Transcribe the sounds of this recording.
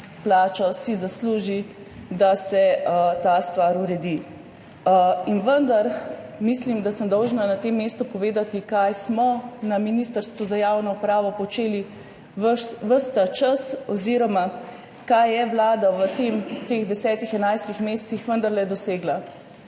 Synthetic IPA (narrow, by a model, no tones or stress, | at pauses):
plaːt͡ʃɔsizasluːʒi | d̪asɛət̪ast̪ʋaɾuɾɛd̪i | inʋənd̪aɾmislimd̪asəmd̪ɔwʒnanat̪emːeːst̪upɔʋeːd̪at̪ikajsmɔnaminist̪əɾst̪ʋuzajawnɔupɾaːʋɔpɔt͡ʃeːli | ʋəʋəst̪at͡ʃasɔziɾɔma | kajɛʋlaːd̪aʋət̪emt̪eɣd̪ɛsɛːt̪ixɛnajst̪ixmeːst̪sixʋənd̪əɾlɛd̪ɔseːɡla